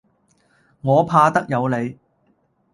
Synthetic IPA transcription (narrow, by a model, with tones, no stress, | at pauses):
ŋɔː˨˧pʰaː˧t̪ɐ˥k̚jɐ˨˧wle˨˧j